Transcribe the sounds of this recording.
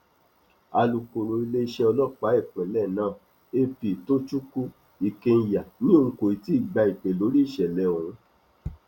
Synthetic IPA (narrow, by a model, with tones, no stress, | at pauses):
a˧lu˨ko˨ɾo˨i˧le˦i˦˧ʃɛ˦˧ɔ˧lɔ˦˨k͡pa˨˦i˦˨k͡pĩ˨lɛ˦˨nãː˦˨ | e˧pi˨to˦t͡ʃu˦ku˦ | i˨ke˧n̩˦˧˦ja˨nĩ˦o˧˦ko˨i˨ti˦i˦˨ɡ͡ba˧i˨k͡pe˨lo˨˦ɾi˦i˦˨ʃɛ˨lɛ˨˦˨õ˨˦